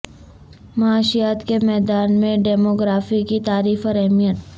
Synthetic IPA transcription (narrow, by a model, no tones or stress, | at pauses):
mɐaːʃijaːt̪kemɛːd̪aːnmẽɖɛːmoːɡɾaːfikit̪aːɾiːfɔːɾɛɦmijət̪